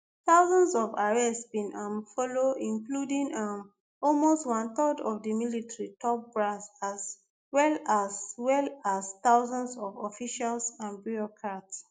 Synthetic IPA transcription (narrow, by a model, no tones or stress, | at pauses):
θaʊzɔ̃ndsɔvaɹɛssbĩnãmfɔloĩŋkludĩŋam | ɔlmostwãnθədɔvdəmilitɹitʰɔp̚bɹasas | wɛlaswɛlastaʊzãndsɔvɔfiʃalsãnbiɹɔkʰɹats